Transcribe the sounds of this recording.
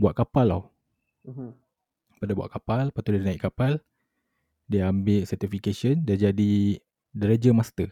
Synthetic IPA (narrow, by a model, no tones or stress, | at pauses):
bua̰ʔ̪̚kapala̰w | padabua̰ʔkapalpat̪udianaiʔkapal | diambɪlsərt̪ifikesəndad͡ʒadi | dəɾed͡ʒəmast̪ə